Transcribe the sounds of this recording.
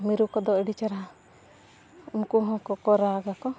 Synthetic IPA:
miɾukɔd̪ɔɛɖit͡ʃaɾa | umkuɦɔ̃kɔkɔɾaɡakɔ

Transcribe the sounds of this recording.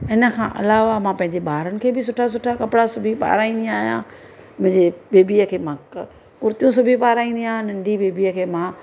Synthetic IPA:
ɪnə̆kʰãʔɐ̰laːʋamãːpɐ̃ɦɪ̃ɲd͡ʑebaːɾənɪ̆kʰeːbɪsʊʈʰas̬ʊʈʰakɐpɪɽasʊbʱipa̰ːɾaːĩːnd̪ĩaːɦijã̰ː | mʊ̃ɦɪ̃ɲd͡ʑebeːbiəkʰeːmãːk | kʊɾt̪jũsʊbʱipaːɾaːĩːnd̪ĩaːɦnɐ̃ɳɖʱibeːbʱiəkʰeːmãː

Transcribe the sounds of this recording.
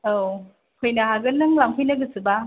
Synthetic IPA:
ow | kʰɯjnaɦaɡɯnɯŋlamkʰɯjnaɡɯsɯba

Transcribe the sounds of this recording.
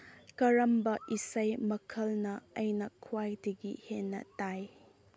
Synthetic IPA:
kɐɾɐmbɐʔisɐjmɐkʰɐlnɐɐjnɐkʰuwajdɐɡihenːɐ̰taj

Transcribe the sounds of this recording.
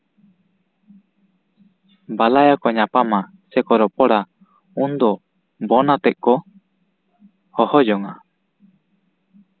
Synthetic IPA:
balajakɔɲapama | sɛkɔɾɔpɔɽa | und̪ɔ | bɔnat̪ɛʔ̚kɔ | hɔhɔd͡ʒɔŋa

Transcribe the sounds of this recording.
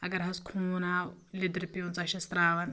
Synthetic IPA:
ɐɡɐɾɦɐskʰuːnawlid̪ɾpiunt͡sɐʃɐst̪ɾaːʋɐn

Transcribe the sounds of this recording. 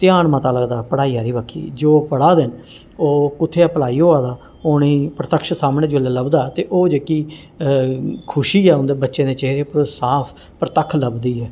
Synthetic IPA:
t̪ɪjaːɳmãːt̪aːləɡd̪aːpəɽaːiːɦaːɾiːbəkʰːḭːd͡ʒoːpəɽaːd̪ɪn | oːkʊt̪ʰːeːɛːpəlaːiːɦoːaːd̪aː | oːneːpɾət̪əkʃsaːmneːd͡ʒolaːləbd̪aːt̪eːʔoːd͡ʒeːkiː | kʰʊʃiːɛːʊnd̪eːbətːʃẽːd̪eːt͡ʃeɦɾeːpəɾosaːpʰ | pɾət̪əkʰləbd̪iːɛː

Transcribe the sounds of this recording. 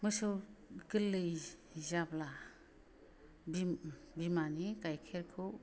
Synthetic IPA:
mɯsɯwkɯlːɯjzabla | bibimanikajkʰeɾkʰɯw

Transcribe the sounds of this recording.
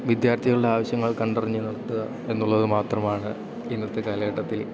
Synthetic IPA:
ʋid̪jaːrt̪ʰiɣɐɭuɽeaːʋɐɕjɐŋːɐɭkɐɳɖɐriɲːunɐɽɐt̪ːuɣɐ | e̞nːuɭːɐðɨmaːt̪rɐmaːɳɨ | inːɐt̪ːekaːlɐɣɐʈːɐt̪ːil

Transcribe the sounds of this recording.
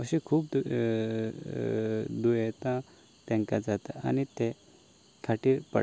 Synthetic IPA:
əɕẽkʰuːp̪̚ | d̪ujet̪ã | t̪ɛ̃ŋkad͡zat̪aanit̪e | kʰaʈipə̰

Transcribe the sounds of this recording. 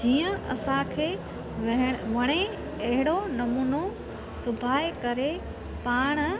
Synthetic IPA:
d͡ʑiːə̃ɐ̰sãkʰeː | ʋɐɦʋɐɽ̃e | ɐɦɪɽonɐmuːno | sʊbʱaːjkɐɾe | paːɽ̃

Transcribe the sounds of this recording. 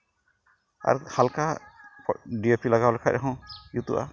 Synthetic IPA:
a̰ɾhalka | ɖijopilaɡalɛkʰac̚ɾaɦɔ̃jut̪ṵʔa̰

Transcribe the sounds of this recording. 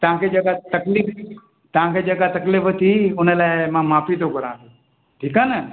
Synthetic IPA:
t̪ɐʋ̤ãːkʰed͡ʒɐɡat̪ɐklɪf | t̪əʋãːkʰed͡ʒɐɡat̪ɐklɪft̪ʰiʊnəlaːɪmãːmaːfit̪okɐɾãːt̪ʰo | ʈʰiːkaːnə

